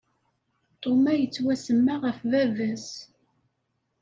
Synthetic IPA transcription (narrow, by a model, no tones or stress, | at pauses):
t̪ˤomæjət͡sːwæsəmːaʁəfvævæs